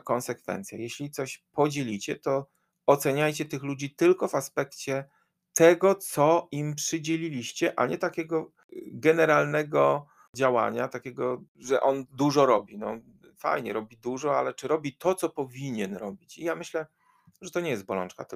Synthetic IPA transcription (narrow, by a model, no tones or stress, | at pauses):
kɔnsɛkfɛ̰nt̪sʲja̰jɛɕlʲit̪sɔɕpɔd͡ʑelʲit͡ɕɛt̪ɔ | ɔt̪sɛɲajt͡ɕɛt̪ɘxlud͡ʑit̪ɘlkɔvaspɛkt͡ɕɛ | t̪ɛɡɔt̪sɔimpʂɘd͡ʑelʲilʲiɕt͡ɕɛʔa̰ɲɛt̪akʲɛɡɔ | ɡɛnɛɾalnɛɡɔ | d͡ʑawa̰ɲat̪akʲeɡɔʐɛʔɔnd̪uʐɔɾɔbʲinɔ̰ | fa̰jɲɛɾɔbʲid̪uʐɔalɛt͡ʂɘɾɔbʲit̪ʰɔt̪sɔpɔvʲiɲɛnɾɔbʲit͡ɕijamɘɕlɛ | ʐɛt̪ɔɲɛjɛst̪̚bɔlɔ̰nt͡ʂka̰t̪